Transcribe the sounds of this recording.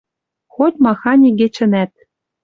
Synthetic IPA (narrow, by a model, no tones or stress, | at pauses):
xot̪ʲmɑxɑnʲiɡĕt͡ɕɘ̆næt̪̚